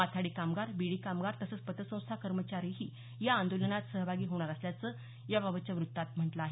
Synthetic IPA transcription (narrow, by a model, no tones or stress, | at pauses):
at̪ʰaɽiːkamɡaɾbiɽiːkamɡaɾt̪əsəːt͡spət̪əsə̃w̃st̪ʰakəɾmət͡ɕaɾiɦiː | jaːnd̪olənat̪səɦbʱaɡiːɦoɽ̃aɾəsljat͡səː | jababət͡ɕjaʋɾut̪ːat̪m̤əɳʈlaaɦe